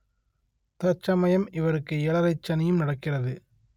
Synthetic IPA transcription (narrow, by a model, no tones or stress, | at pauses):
t̪ɐt͡ʃːɐmɐjɐmɪʋɐɾɯkːɯɛɭɐɾɐɪt͡ʃːɐnɪjɯmnɐɽɐkːɪrɐðɯ